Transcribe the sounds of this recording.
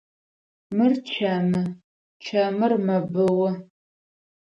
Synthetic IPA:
mɨrt͡ʃʰɐmɨ | t͡ʃʰɐmɨrmɐbɨwɐ

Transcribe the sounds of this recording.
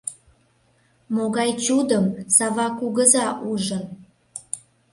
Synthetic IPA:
moɣɑjt͡ɕud̪əmsɑβɑkuɣəzɑʔuʒə

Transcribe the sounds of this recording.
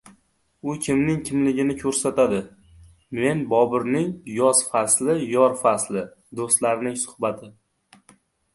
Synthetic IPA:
ʊkʲʰɪmnɪŋkʲʰɪmlɪɡʲɪnɪkʲʰɵɾsat̪ʰad̪ɪ | me̞nbɒbɪɾnɪŋjɒsfaslɪjɒɾfaslɪ | d̪ost̪laɾnɪŋsʊ̥hbat̪ʰɪ

